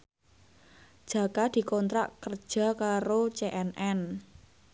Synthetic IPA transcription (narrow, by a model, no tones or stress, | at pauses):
ʒ̥ä̤kad̪̥i̤kɔnt̪ɾa̰ʔkər̥ʒ̥a̤kaɾot͡ʃeʔɛnɛn